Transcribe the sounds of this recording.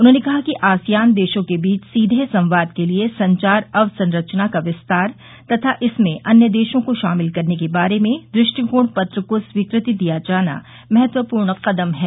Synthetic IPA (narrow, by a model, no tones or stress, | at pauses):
ʊnɦõːnekɐɦakiʔaːsijaːnd̪eːʃõkebiːt͡ʃʰsiːd̪ʱesɐ̃mʋaːd̪keliesɐ̃ɲt͡ʃaːɾɐʋsɐ̃nɾɐt͡ʃnakaʋɪst̪aːɾ | t̪ɐt̪ʰaʔɪsmẽʔɐnjəd̪eːʃõkoʃaːmɪlkɐɾnekebaːɾemẽd̪ɾɪʃʈikuːɳpɐt̪ɾəkoswiːkɾɪt̪id̪ijad͡ʒaːna̰ | mɛɦɛt̪wəpuːɾɳqɐd̪əmɦɛː